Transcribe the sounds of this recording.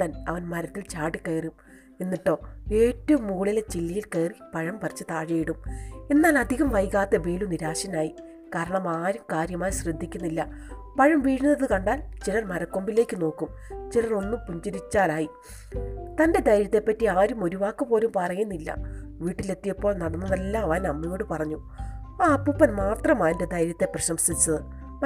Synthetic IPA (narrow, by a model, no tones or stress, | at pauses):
t̪ɐnɐ̰ʋɐnmɐɾɐt̪ːilt͡ɕaːʈikɐjrum | enːiʈːo̞ːe̞ːtːɐʋumːuːɭilet͡ɕilːijilkɐjripɐɻɐmpɐrt͡ɕːɨt̪aːɻɐjiɽume̞nːaːlɐd̪ʱiɣɐmʋɐjkaːt̪ːɐbe̞ːluniɾaːɕɐnaːji | kaːɾɐɳɐmaːɾumkaːɾjɐmaːnɕrɨd̪ʱːikʲːunːilːɐ | pɐɻɐmʋiːɻunːɐðɨkɐɳɖaːlt͡ɕilɐrmɐɾɐkːo̞mbile̞ːkʲːɨno̞ːkːum | t͡ɕilɐro̞nːumpuɲd͡ʑɐɾit͡ɕːaːlaːji | t̪ɐnde̞d̪ɐjɾjɐt̪ːe̞pːɐtːiaːɾumo̞ɾuʋaːkːɨpo̞ːlumpɐrɐjunːilːɐ̰ʋiːʈːile̞t̪ːijɐpːo̞ːɭnɐɽɐnːɐðelːaːʋaːnɐmːɐjo̞ːɽɨpɐrɐɲːu | aːpːupːɐnmaːt̪rɐmaːnded̪ɐjɾjɐt̪ːe̞prɐɕɐmsit͡ɕːɐðɨ